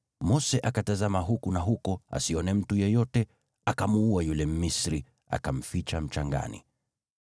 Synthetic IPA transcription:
mɔsɛʔakatazamaɦukunaɦukɔa̰siɔnɛm̩tujɛjɔtɛ | akamuuajulɛm̩misɾi | a̰kam̩fit͡ʃam̩t͡ʃaŋɡa̰nḭ

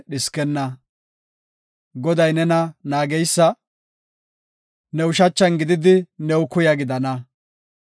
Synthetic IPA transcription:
ɗɪskɛnːɐ | ɡɔd̪ɐjnɛnɐnaːɡɛjsːɐ | nɛwʊʃɐt͡ʃːɐnɡɪd̪ɪd̪ɪnɛwʊkʊjɐɡɪd̪ɐnɐ

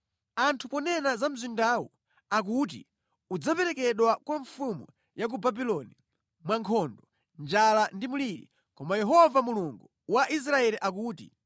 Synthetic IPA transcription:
antʰupɔnɛnazam̩zindaːwɔ | ak̬ut̬ḭ | ud͡zapɛɾɛkɛɗwakwaɱfumṵ | jak̬ubabilɔni | mwaŋkʰɔndɔ | nd͡ʒalandimuliɾḭ | kɔmajɛɦɔvamuluŋɡu | waʔis̬ɾaɛliʔak̬uːtḭ

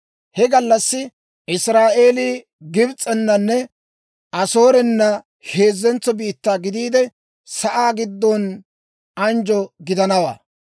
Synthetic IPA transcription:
hɛɡɐlːɐsːɪ | ʔɪsɾaːʔe̞ːliː | ɡɪbt͡sʼɛnːɐnːɛ | ʔɐso̞ːɾɛnːɐ | he̞ːzːɛnt͡sːɔbiːt̪ːaːɡɪd̪iːd̪ɛ | sɐʔaːɡɪd̪ːɔn | ɐnd͡ʒɔɡɪd̪ɐnɐwa̰ː

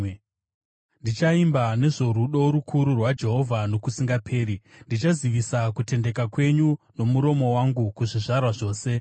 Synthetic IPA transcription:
ndit͡ʃaimbane̞ʐo̞ɾuɗo̞ɾukʰuɾurwad͡ʒe̞ɦo̞vʱano̞kusiŋɡapʰe̞ːɾindit͡ʃaziʋisakute̞nde̞kakwe̞ɲuno̞muɾo̞mo̞waŋɡukuʐiʐarwaʐo̞ːse̞

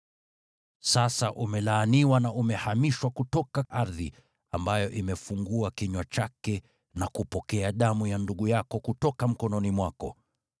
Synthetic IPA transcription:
sasaʔumɛlaːniwanaʔumɛhamiʃwakutɔkaʔaɾðḭ | ambajɔʔimɛfuŋɡuakiɲwat͡ʃakɛ | nakupɔkɛaɗamujanduɠujakɔkutɔkam̩kɔnɔnimwakɔ̰

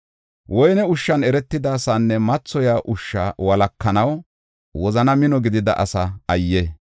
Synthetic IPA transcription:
wɔjnɛʊʃːɐnɛɾɛt̪ːɪd̪aːsaːnːɛmɐt͡sːɔjaːʔʊʃːa̰ːwɐlɐkːɐnɐw | wɔzɐnɐmɪnɔɡɪd̪ɪd̪ɐʔɐsɐɐjːe

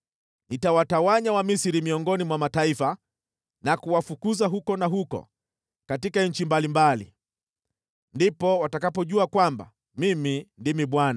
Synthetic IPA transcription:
nitawatawaɲawamisiɾimiɔŋɡɔnimwamataifa | nakuwafukuzaɦukɔnaɦukɔ̰ | katikaɲ̩t͡ʃimbalimbalḭ | ndipɔwatakapɔʄuakwamba̰ | mimindimiɓwana

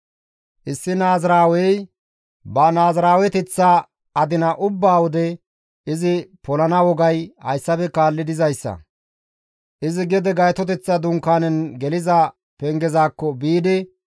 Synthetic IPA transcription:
ʔɪsːɪnaːzɾaːwɛj | bɐnaːzɾaːwɛt̪ɛt͡sːa | ɐd̪ɪnɐʔʊbːaːwɔd̪ɛ | ʔɪzɪpɔlɐnɐwɔɡɐjhɐ̰jsːɐpɛkaːlːɪd̪ɪzɐjsːɐ̰ | ʔɪzɪɡɛd̪ɛɡɐjt̪ɔt̪̬ɛt͡sːɐd̪ʊŋkːaːnɛnɡɛlɪzɐ | pɛŋɡɛzaːkːɔbiːd̪ɪ

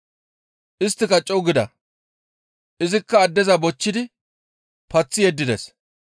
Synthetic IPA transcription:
ʔɪst̪ːɪkɐt͡ʃʼɔwɡɪd̪ɐ | ʔɪzɪkːɐːd̪ːɛzɐbɔt͡ʃːɪd̪ɪ | pɐt͡sːɪjɛd̪ːɪd̪ɛs

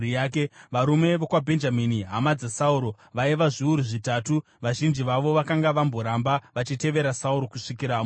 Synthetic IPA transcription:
jaːkeʋaɾume̞ʋokwabʱe̞nd͡ʒaminiɦamad͡zasauɾo̞ | ʋaiʋaʐiuɾuʐitaːtu | ʋaʒind͡ʒiʋaʋo̞ʋakaŋɡaʋambo̞ɾambaʋat͡ʃite̞ʋe̞ɾasauɾo̞kuʂikiɾaːm

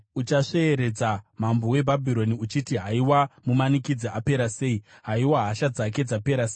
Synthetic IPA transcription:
ut͡ʃaʂe̞ːɾe̞d͡zam̤ambo̞we̞bʱabʱiɾo̞niut͡ʃitiɦaiwamumanikid͡ziape̞ɾase̞iɦaiwaɦaʃad͡zake̞d͡zape̞ɾase

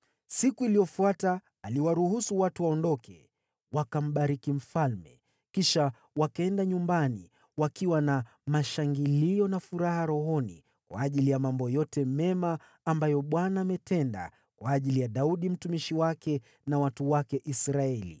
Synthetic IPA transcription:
sikuilijɔfuataː | liwaɾuhusuwatuwaɔndɔkɛ̰ | wakam̩ɓaɾikim̩falmɛ̰ | kiʃa | wakaɛndaɲumbanḭ | wakiwana | maʃaŋɡiliɔnafuɾaɦaɾɔɦɔnḭ | kwa̰ːʄilijamambɔjɔtɛmɛmaː | mbajɔɓwanaːmɛtɛnda̰ | kwaːʄilijaɗauɗim̩tumiʃiwakɛ | nawatuwakɛʔisɾaɛlḭ

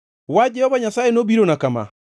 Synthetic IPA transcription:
wad͡ʒɛɔβaɲasaenobiɾonakama̰

